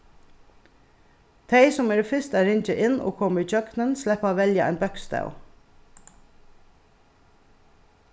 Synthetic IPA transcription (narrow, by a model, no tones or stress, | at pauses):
t̪ʰeɪsɔmɛːɾɛfɪst̪æɾɪɲt͡ʃəʔɪno̰ːkʰɔməid͡ʒœɡnənslɛpɑʋɛljaʔæ̰ɪnbœkst̪a̰ʉ